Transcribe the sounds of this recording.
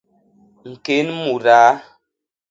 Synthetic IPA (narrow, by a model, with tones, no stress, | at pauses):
ŋ̩˨ke˨˦nmu˨ɾaː˨˦